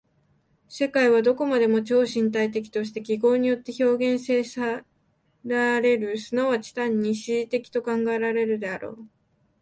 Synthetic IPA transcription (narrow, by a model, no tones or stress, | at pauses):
se̞kaiβad̪o̞ko̞mad̪e̞mo̞t͡ɕo̞ːɕĩnt̪ait̪e̞kʲi̥t̪o̞ɕ̬i̥t̪e̞kʲiɡo̞ːɲ̟ijo̞t̪ːe̞ço̞ːɡẽ̞ɰ̃se̞ːsa | ɾaɾe̞ɾɯ̟sɨnoβat͡ɕi̥t̪ãɲ̟ːiɕit̪e̞kʲi̥t̪o̞kãŋɡae̞ɾa̞ɾe̞ɾɯ̟d̪e̞aɾo̞̰ː